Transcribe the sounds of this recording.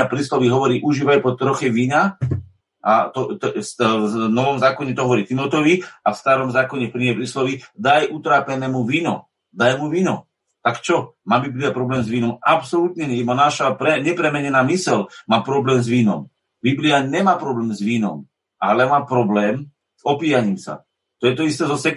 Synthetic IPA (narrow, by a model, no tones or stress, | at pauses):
apɾislɔʋiɦɔʋɔɾiːʔuʒiːʋajpɔt̪ɾɔxɛʋiːɲa | ʔa̰t̪ɔt̪snɔʋɔmzaːkɔɲɛt̪ɔɦɔʋɔɾiːt̪imɔt̪ɔʋiafst̪aɾɔmzaːkɔɲɛpɾiɛpɾislɔʋid̪ajʔut̪ɾaːpɛnɛːmuʋiːnɔ̰ | d̪ajmuʋiːnɔ | t̪akt͡ʃɔmaːbibliapɾɔblɛːmzʋiːnɔmapsɔlut̪ɲɛɛjɛmanaʃapɾɛɲɛpɾɛmɛɲɛnaːmisɛlmaːpɾɔblɛːmzʋiːnɔ̰m | bibliaɲɛmaːpɾɔblɛːmzʋiːnɔ̰m | ʔalɛmaːpɾɔblɛːm | zɔpiːjaɲiːmsa̰ | t̪ɔjɛt̪ɔist̪ɛːzɔsɛk